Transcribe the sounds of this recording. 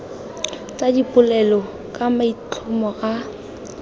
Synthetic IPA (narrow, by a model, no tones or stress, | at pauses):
t͡sadipʼʊlɛlɔ | kʼamait͡ɬʰʊmɔɣa